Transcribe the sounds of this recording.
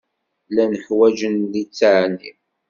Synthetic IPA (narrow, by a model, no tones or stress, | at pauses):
lænəħwæd͡ʒənlit͡sːʕni